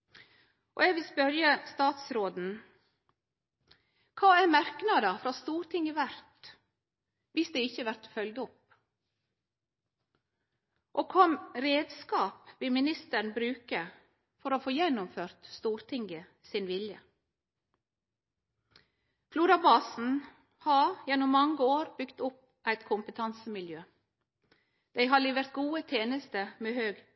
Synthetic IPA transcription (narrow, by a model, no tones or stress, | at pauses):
ʔo̰ːɛɡʋɪlspœɾjəst̪ɑːt̪sɾoːd̪n̩ | kʰɑːæɾmæɾknɑd̪əfɾɑːst̪uːɾt̪ʰɪŋəʋæɾt̪ | ʋɪsd̪ɛɪçəʋæɾt̪fœld̪ʊp | ʔoːkʰɔmɾeːd̪skɑːpʋɪlmɪnɪst̪əɳbɾʉːkə | fɔɾoːfoːjɛnʊmføːɾt̪st̪uːɾt̪ʰɪŋɡə | sɪnʋɪljə | fluːɾɑbɑːsn̩ | hɑːjɛnʊmːɑŋəoːɾbʏɡt̪ʊp̚ | ʔæɪt̪kʰʊmpət̪ʰɑnsəmɪljøː | d̪̥æɪɦɑːliːʋəɾt̪̚ɡuːət̪ʰeːnəst̪əmeːhøːɡ